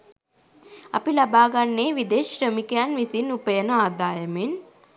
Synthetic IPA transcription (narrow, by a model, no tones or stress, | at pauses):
ɐ̰pilɐbaːɡɐnːeːʋid̪eːʃɾəmikɐjanʋisinupɐjɐnɐaːd̪aːjɐmen